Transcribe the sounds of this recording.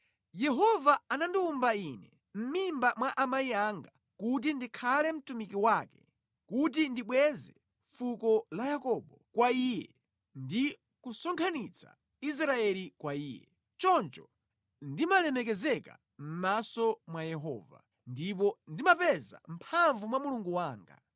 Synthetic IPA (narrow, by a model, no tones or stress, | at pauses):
jɛɦɔvaanandiumbainɛ | m̩mimbamwaʔamaiaŋɡa | kut̬indikʰalɛm̩tumikiwaːkɛ | kut̬indiɓwɛzɛ | fukɔlajakɔɓɔkwaiːjɛ̰ | ndi | kusɔŋkʰanit͡sʰa̰ | is̬ɾaɛlikwaiːjɛ̰ | t͡ʃɔnt͡ʃɔ | ndimalɛmɛk̬ɛzɛka̰ | m̩masɔmwajɛɦɔ̰ːva̰ | ndip̬ɔndimapɛza̰m̩pʰaɱvumwamuluŋɡuwaːŋɡa̰